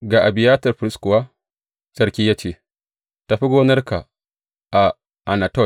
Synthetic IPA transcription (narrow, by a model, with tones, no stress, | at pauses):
ɡa˨ʔa˨bɪ˨ja˦tɐ˨rɸɾi˦skʊ˨wa˦ | sɐ˦ɾkʲi˦ja˦t͡ʃeː˦˨ | ta˨ɸi˦ɡʷoː˦nɐ˦rka˨ | ʔa˨ | ʔa˨na˨tɔ˦˨